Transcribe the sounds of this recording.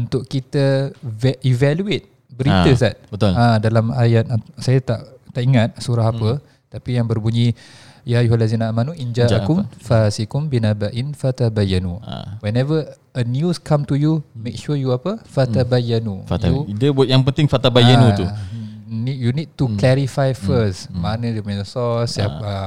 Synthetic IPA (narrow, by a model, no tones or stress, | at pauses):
unt̪ʊʔkit̪əvivaluet̪̚ | bəɾit̪əsat̪̚bət̪ʊlãdalamajat̪̚sajat̪a̰ʔt̪aʔiŋat̪̚suɾaɦapə | t̪apijaŋbərbuɲi | jajuhalːazinaaːmanuʔind͡ʒaʔakʊmfasikʊmbinabaʔɪnfat̪abajːanṵwɛnɛvə | ənjuskʰãmt̪ujumek̚ʃujuapəfat̪abajanufat̪audəbʔjaŋpənt̪ɪŋfat̪abajanuu | nijunid̚tuklɛɾifajfəs | manə̃diəpuɲəsɔsːap̚a